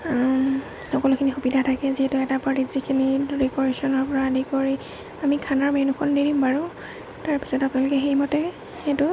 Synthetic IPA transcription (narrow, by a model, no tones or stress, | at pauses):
xɔkɔlʊkʰinixubidʱatʰakɛziɦɛtʊɛtapatizikʰiniɹikɔɹesɔnɔɹpɔɹadikoɹi | amikʰanɔɹmenukʰɔndeɹimpaɹu | taɹpi̥sɔtapʊnalʊkɛxejmɔtɛ | xetʊ